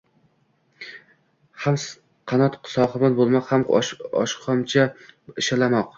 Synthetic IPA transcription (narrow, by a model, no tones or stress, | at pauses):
hams | qʰɑnɒt̪sɒχɨmanbolˠmaqhamɒ̰ʃqʰɒmt͡ʃʰaɪʃalamɒq